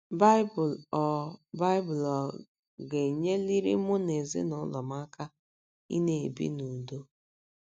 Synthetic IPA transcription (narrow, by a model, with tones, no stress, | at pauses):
ba˦ɪ˦bʊ˨lɔ˨ba˦ɪ˦bʊ˨lɔ˨ | ɡe˨ɲe˦li˦ɾḭ˦mʊ˦ne˨zḭ˦nʊ˦lɔ˨m˦a˦ka˦ | ḭ˦ne˨e˨bḭ˦nu˨do˦